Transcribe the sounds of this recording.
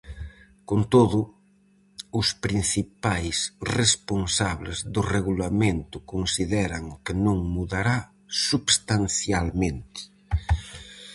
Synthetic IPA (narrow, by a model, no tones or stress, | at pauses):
kont̪oðʊ | ʊspɾin̟θipajsresponsaβlɪzðʊreɣulamẽnt̪ʊkonsiðɛɾaŋkɪnõŋmuðaɾa | suβst̪anθjalmẽnt̪ɪ̥